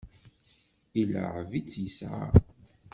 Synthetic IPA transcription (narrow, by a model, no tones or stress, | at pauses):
ilə̰ʕvit͡sːjəsʕa̰